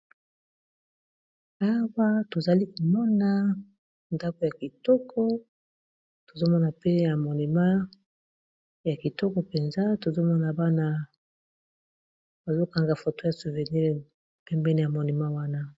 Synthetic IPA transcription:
a˦wa˦to˨za˨li˦ko˨mɔ˦na˦ | nda˦ko˨ja˨ki˨tɔ˦kʰɔ˦ | to˨zo˦mɔ˦na˨pe˦ja˨mo˨ni˨ma˦ | ja˨ki˨tɔ˦kɔ˨pɛ˨nza˦to˨zo˦mɔ˦na˨ba˦na˦ | ba˨zo˦ka˨ŋɡa˨fo˨to˦ja˨su˨vɛ˨ni˦˨ | pɛ˦mbɛ˦ni˦ja˨mo˨ni˨ma˦wa˦na˦

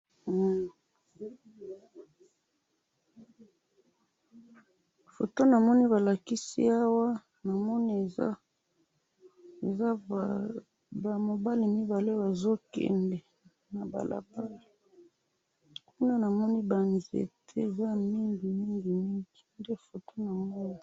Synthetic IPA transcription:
fo˨to˦na˨mɔ˦ni˦βa˨la˨ki˦sḭ˦a˦wa˦ | na˨mɔ˦ni˦e˨a˦ | e˨za˦˨ | ba˨mo˨ba˦li˨mi˦ba˨le˦ba˨zo˦kɛ̰˨ndɛ˨ | na˨ba̰˨lʔa̰˨ba˦li˨ | ku˦na˦na˨mɔ˦ni˦ba˨nzḛ˨tʰe˦e˨za˦mi˦ŋbi˨mi˦ŋɡi˨mi˦ŋɡi˨nde˦fo˨to˦na˨mɔ˦ni˦

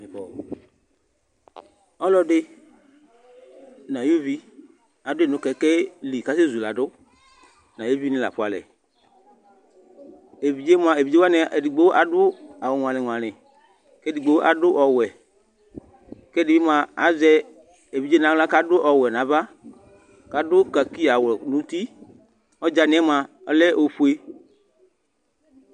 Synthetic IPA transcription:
ɔ˨ | ɔ˦lɔ˦ɖɪ˦ | nã˨ju˦vi˦ | a˨dʊ˦e˦˨nʊ̃˨˦kɛ˨ke˦li˨ka˦se˦zu˨la˨ɖʊ˦ | nã˨jo˦vi˦nɪ̃˦la̰˨ɸʊ˦a˨lɛ̰˨ | e˨vi˨d͡ʒe˦mõ˦ã˨e˨vi˨d͡ʒe˦wa˦nẽ˨e˨di˨ɡ͡be˦ʔa˨ɖʊ˦a˨wo˨ŋ̃˨ã˨lẽ˨ŋ̃˨ã˨lɪ̃˨ | kɛ˦di˨ɡ͡be˦wo˦ʔa˨ɖʊ˦ʔɔ˨wɛ˨ | kɛ˦di˨be˦mã˨a˨˦zɛ˦ | e˨vi˨˦d͡ʒe˦nã˨˦l̃ã˦ka˦ɖʊ˦ʔɔ˨wɛ˨nã˨va˦ | ka˦ɖʊ˦ka˨ki˦a˨wɛ˨nũ˨˦t̪i˦ | ɔ˦d͡ʒa˨ñ˨˦ɛ˦mã˨˦lɛ˦o˨ɸu˦e˦

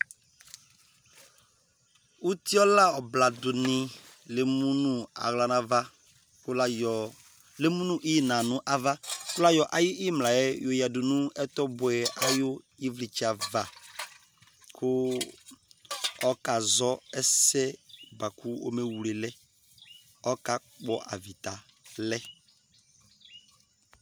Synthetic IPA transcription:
u˦t̪i˦ɔ˦la˦ɔ˨bla˨dʊ˨nɪ̃˨ | le˦mũ˦nũ˦a̰˨ɣla˨nã˨va˦˨ | le˦mũ˦nũ˦ʔi˦˨nã˨nʊ̃˦ʔa˦va˦kʊ˦la˦jɔ˨ʔa˨jʊ˦ʔi˦mla˨jɛ˦jo˨ja˨dʊ˨nũ˦ɛ˦t̪ɔ˦bʊ˨ɛ˨a˨jʊ˦ | i˦vli˨t͡ʃi˦a˨va˨ | kʰʊ˦ | ɔ˦ka˨zɔ˦ɛ˦sɛ˦ba˨kʰu˦o̰˦me˨wu˨le˨lɛ˦ | ɔ˦ka˦k͡pɔ˦ʔa̰˨vi˨t̪a˨ | lɛ˦

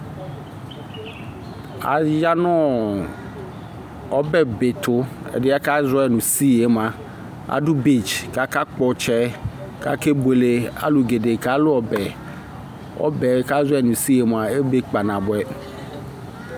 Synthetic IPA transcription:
a̰˨ja˦nɔ˦˨ | ɔ˦bɛ˨be˨tʰʊ˦ɛ̰˨dɪ˦a˦ka˦zɛ˨nũ˨si˦e˨˦m˨a˨ | a̰˨˦dʊ˦bi˦˨d͡ʒka˦ka˦k͡pɔ˨t͡ʃɛ˦ | ka̰˦ke˦be˨le˨a̰˦lʊ˨ɡe˨de˨ka˦lʊ˦ɔ˨bɛ˨ | ɔ̰˦bɛ˨˦ka˦zɔ˦ɛ˦˨nʊ˨si˦e˨˦m˨a˨e˦be˦k͡pa˨nã˨bʊ˨ɛ˨

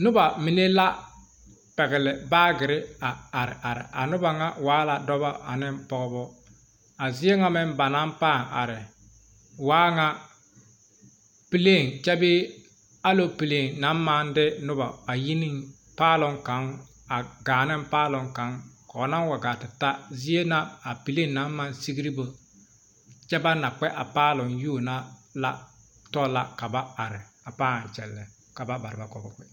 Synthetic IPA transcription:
nʊ˦ba˨mi˦ne˦la˦ | pɛ˨ɡɪ˨lɪ˨baː˦ɡɪ˨ɾɪ˦a˨a˨ɾɪ̰˨ʔa˨ɾɪ̰˨ʔa˨nʊ˦ba˨ŋa˦waː˨˦la˨dɔ˦ba˦a˨nɪ˦mpɔ˨ɣʊ˦bɔ˦ | a˨zɪ˦e˦ŋa˦mɛ˦mba˨na˦mpaː˦˨ŋa̰˨ɾɪ˨ | waː˦ŋa˦ | pi˦le˦˨ŋt͡ʃɛ˦bɪː˦ | a˦lo˦pi˨le˨ŋna˨˦m˦maː˦n˦dɪ˦nʊ˦ba˨a˨ji˦ni˦ŋ | paː˦lʊ˦ŋka˨˦ŋ | a˨ɡaː˨nɪ˦mpaː˦lʊ˨ŋka˨˦ŋkɔ˨˦na˦n˦wa˨ɡa˨tɪ˨ta˦zi˦e˦na˦a˨pi˨le˦˨nna˨˦mː˦a˦nsi˦ɡi˦ɾi˦bo˨ | t͡ʃɛ˦ba˦na˨k͡pɛ˦ʔa˨paː˦lʊ˨njuː˦˨na˦la̰˦ | tɔ˦la̰˨ka˨ba˦a˨ɾɪ˨ | a˨paː˦a˨t͡ʃɛ̰˨lːɛ˨ | ka˨ba˦ba˨ɾɪ˨ba˦kɔ˨bɔ˨kɪ˨

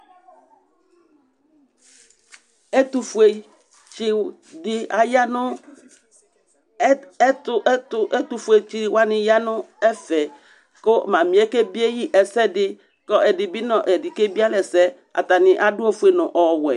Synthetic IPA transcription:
e˦tu˨fu˨e˨ | t͡ʃɪ˦ | dɪ˦a˨ja˦nʊ˦ | tʊ˦tʊ˦ɛ˦t̪u˨fu˨e˨t͡ʃɪ˦wa˦nɪ̃˨ja˦nʊ̃˦ɛ˦fɛ˨ | kʊ˦˨mã˨mĩ˨ɛ˦ke˦bi˦e˦ji˦ʔɛ˨sɛ˦dɪ˦ | kɔ˦ʔɛ˨dɪ˨bɪ˦nɔ̃˨ʔɛ˨dɪ˨ke˦bi˦a˦lɛ˨sɛ˦ | a̰˨ta˨nɪ̃˨ʔa˨dʊ˦ɔ˦fu˨˦e˨nʊ̃˨ʔɔ˨wɛ˨

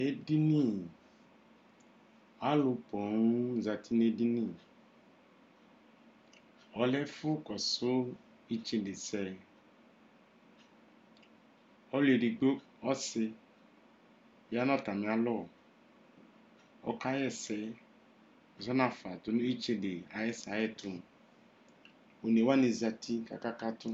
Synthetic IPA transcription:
e˦di˦ni˦˨ | a˦lʊ˨pɔ˨ŋ˦za˨tʰi˦ne˦di˦ni˦˨ | ɔ˨lɛ˦fʊ˦kɔ˨sʊ˦ | i˦t͡ʃĩ˦˨de˨sɛ˦ | ɔ˦le˨di˨ɡ͡bo˦ | ɔ˦sɪ˧ | bi˨˦a˦nɔ˦˨ta˨mi˨a˦lɔ˦˨ | ɔ̰˨ka˦jɛ˦˨sɛ˦˨ | zɔ˦na˦˨fa˨tʊ˨˦nʊ̃˦i˦t͡ʃẽ˦de˨a˨jɛ˦sa˨jɛ˦tʊ˨ | o˨ne˨wa˦ne˨za˨tʰi˦ka̰˨ka˦ka˦tʊ˦

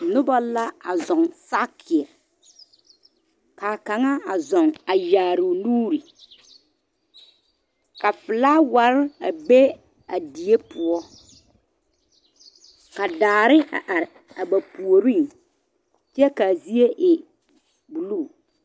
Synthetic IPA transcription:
nʊ˦ba˦la˦a˨zɔ˨ŋsa˦kʰɪ˨ɛ˨ | ka˨ka˨ŋa˦a˨zɔ˨ŋa˨jaː˨ɾʊ˨nuː˦ɾi˨ | ka˨fɪ˨la˦wa˨ɾɪ˦a˨be˦ | a˨di˨e˦pʊ˨ɔ˦ | ka˨daː˨ɾɪ˦a̰˨ʔa˨ɾɪ˨ | a˨ba˨pu˨o˨ɾĩ˦ŋ | t͡ʃɛ˦ka˨zi˦e˦ʔɪ˨ | bu˨lu˦˨

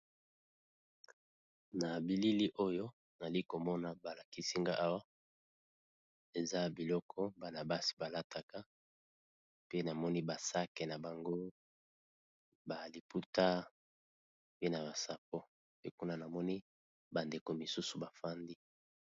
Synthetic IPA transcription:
na˨bi˨li˦li˦ʔo˦jo˦ | na˨li˦ko˨mɔ˦na˨ba˨la˨ki˦si˦ŋɡa˦ʔa˦wa˦ | e˨za˦bi˨lɔ˦kʰɔ˦ba˨na˨ba˦si̥˨ba˨la˦ta˨ka˦ | pe˦na˨mɔ˦ni˦ba˨sa˦kɛ˨na˨ba˨ŋɡo˦ | ba˨li˨pu˦ta˦ | pe˦na˨ba˨sa˨p̚o˦ | pe˦ku˦na˦na˨mɔ˦ni˦ | ba˨nde˨ko˨mi˨su˦su˨ba˨fa˦ndi˦

